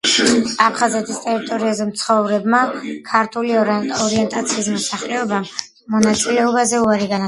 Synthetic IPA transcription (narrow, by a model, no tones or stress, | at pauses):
apʰχazɛt̪ʰist̪ʼɛɾit̪ʼɔɾiazɛmt̪sʰχɔvɾɛbmakʰaɾt̪ʰuliɔɾiɛnt̪ʼat̪sʰiːsmɔsaχlɛɔbamː | ɔnat̪sʼilɛɔbazɛuaɾiɡan